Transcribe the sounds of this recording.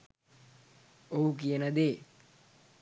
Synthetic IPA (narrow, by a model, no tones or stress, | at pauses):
ouk̬ijənəd̪eː